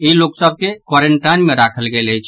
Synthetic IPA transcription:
iloksəb̚ʱkekwaɾeɳʈajnmeɾakʰəlɡeləjt͡ʃʰ

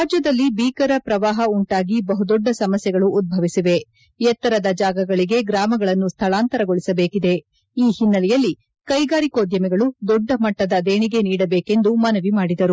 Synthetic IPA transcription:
ɾaːd͡ʒjɐd̪ɐlːibiːkɐɾɐpɾɐʋaːɦɐuɳʈaːɡibɐɦud̪ɔɖːɐsɐmɐsjɛɡɐɭuʔːd̪̚bʱɐʋisiʋe̞ | ɛt̪ːɐɾɐd̪ɐd͡ʒaːɡɐɡɐɭiɡe̞ɡɾaːmɐɡɐɭɐnːust̪ʰɐɭaːnt̪ɐɾɐɡoɭisɐbeːkid̪e̞ | iːhinːɐlɛjɐlːi | kɐjɡaːɾiko̞ːd̪jɐmɛɡɐɭud̪ɔɖːɐmɐʈːɐd̪ɐd̪eːɳiɡe̞niːɽɐbeːke̞nd̪umɐnɐʋimaːɽid̪ɐɾu

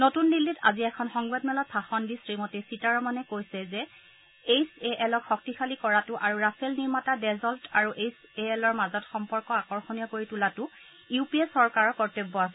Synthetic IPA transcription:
notunːilːita̰ziɛkʰɔnxɔŋbadmɛlɔt̚pʰaxɔndisɹimɔtesitaɹɔmanɛkojsɛzɛ | ejseʔɛlɔkxɔk̚tixʰalikɔɹatʊʔaɹuɹasʰɛlniɹmatadɛzɔltaɹuʔejseɛlɔɹmazɔtxɔmpɔɹkɔakɔɹxɔnijɔkoɹitulatʊ | uupiɛsɔɹkaɹɔkɔɹtebːɔasɛ

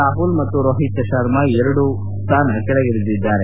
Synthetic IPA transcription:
aːɦuːlmɐt̪ːuɾoːɦit̪ɐʃɐɾmɐɛɾɐɽu | st̪aːnɐkɛɭɐɡiɭid̪id̪ːaːɾe

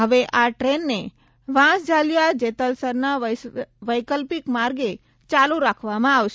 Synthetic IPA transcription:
ɦəʋeʔaʈɾenːe | ʋãsd͡ʒaːljad͡ʒet̪əlsəɾna | ʋəjkəlpikmaːɾɡe | t͡ʃaluɾaːkʰʋamãaʋʃ

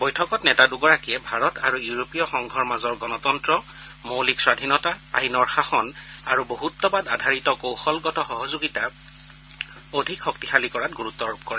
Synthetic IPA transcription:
bɔjtʰɔkɔtnɛtaduɡɔɹakiɛbʱaɹɔtaɹujuɹopijɔxɔŋɡʱɔɹmazɔɹɡɔnɔtɔntɹɔ | mowlikswadʱinɔtaa̰ɦinɔɹxaxɔnaɹuboɦutːɔbadadʱaɹitɔkowxɔlɡɔtɔxɔɦɔzoɡita | odʱikxɔktixalikɔɹat̚ɡuɹut̪ːɔɹup̚kɔɹɛ

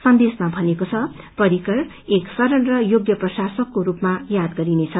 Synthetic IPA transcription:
sʌnd̪esmabʱʌnekot͡sʰʌ | pʌɾikʌr | eksʌɾʌnrʌjoɡjʌprʌsasʌkːoɾupmajad̪̚ɡʌɾinet͡sʰʌ

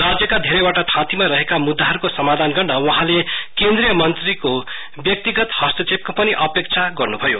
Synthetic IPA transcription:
rad͡zjʌkad̪ʱeɾʌjwaʈat̪ʰãt̪imaɾʌɦekamud̪ːaɦʌɾukosʌmad̪ʱanɡʌrnʌwʌɦãlekẽnd̪rijʌmʌnt̪riko | bjʌk̚t̪iɡʌt̪hʌst̪ʌt͡sep̚kopʌniʔʌpek̚t͡sʰaɡʌrnubʱʌjo

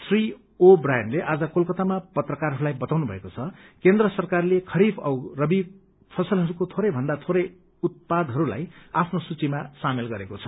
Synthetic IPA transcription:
t̪ʰri | obrajʌnleʔad͡zʌkolkʌt̪amapʌt̪rʌkarɦʌɾulajbʌt̪awnubʱʌ̰ekot͡sʰʌkend̪rʌsʌrkarlekʰʌɾibʌwrʌbib | pʰʌsʌlɦʌɾukot̪ʰoɾʌjbʱʌnd̪at̪ʰoɾʌj | ut̪̚pad̪ʱɦʌɾula̰japʰnosut͡simasamelɡʌɾekot͡sʰʌ̥

